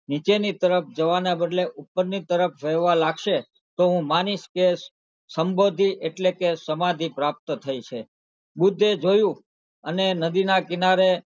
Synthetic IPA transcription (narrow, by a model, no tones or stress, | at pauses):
nit͡ʃenit̪əɾəp̚ʰd͡ʒəʋanabəd̪leʔupːəɾnit̪əɾəpʰʋeʋalaɡʃe | t̪oɦũmaniʃke | səmbod̪ʱiʔeʈlekesəmad̪ʱipɾap̚t̪t̪ʰəit͡ʃʰe | bʊd̪ʱːed͡ʒojũ | ənenəd̪inakɪnaɾe